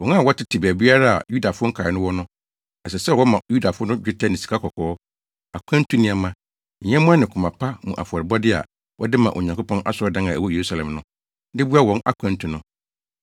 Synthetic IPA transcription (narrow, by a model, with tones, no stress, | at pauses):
wɔ̃˨na˦˨wɔ˦tʰɪ˦tʰɪ˨bæː˨bi˦a˦ɾa˦a̰˨ju˦da˨fʊ˦ʊ˦ŋ̩˦kʰa˨ɪ˨nʊ̃˦wɔ˦nʊ̃˦ | ɛ˨sɛ˨sɛ˦˨wɔ˦mã˨ju˦da˨fʊ˦nʊ̃˦d͡ʑᶣɪ˦tʰa˦nɪ̃˨si̥˨kʰa˦kʰɔ˨kʰɔ˨ɔ˦ | a˨kʷʰã˦n˦tʰũ˦nɪ̃˦a˨mã˦ | ɲ̩˨ɲɛ̃˦mʊ̃˦a˦nɪ̃˨kʰʊ˨mã˨pʰa˦mũ˨ʔa̰˨fɔ˨ɾɪ˨bɔ˦dɪ˦a̰˨ | wʔɔ̰˦dɪ˦mã˨ʔo̰˨ɲã˨ŋkʊ˦pʰɔ̃˦nʔa̰˦sʊ˦ɾɔ˨˦dã˦ŋã˨æ̰˨wɔ˦je˨ɾu˦sa˨lɛ̃˨mnʊ̃˦ | dɪ˦bu˦a˦wɔ̃˨˦na̰˦kʷʰã˦n˦tʰũ˨nʊ̃˦